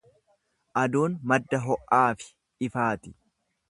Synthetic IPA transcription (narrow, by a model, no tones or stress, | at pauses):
ʔɐd̪uːnmɐd̪ːɐɦɔʔːaːfɪ̥ | ɪfaːt̪ɪ̥